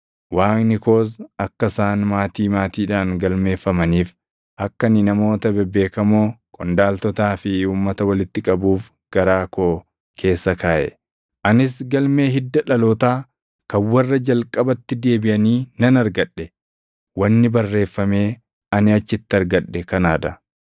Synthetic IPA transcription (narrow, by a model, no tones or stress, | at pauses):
waːnɪko̞ːs̬ɐkːɐsaːnmaːt̪iːmaːt̪iːᶑaːnɡɐlme̞ːfːɐmɐniːf | ʔɐkːɐnɪnɐmo̞ːt̪ɐbɛbːe̞ːkɐmoːkʼɔnd̪aːlt̪ɔt̪aːfɪuːmːɐt̪ɐwɐlɪt̪ːɪkʼɐbuːf | ɡ̥ɐɾaːkʰoː | kʰe̞ːsːɐkʰaːʔɛ̰ | ʔɐnɪs̬ɡɐlme̞ːɦɪd̪ːɐᶑɐloːt̪aː | kɐnwɐrːɐd͡ʒɐlkʼɐbɐt̪ːɪd̪e̞ːbɪʔɐniːnɐnɐɾɡɐᶑːɛ | wɐnːɪbɐrːe̞ːfːɐme̞ː | ɐnɪɐt͡ʃːɪt̪ːɪɐɾɡɐᶑːɛkɐnaːᶑɐ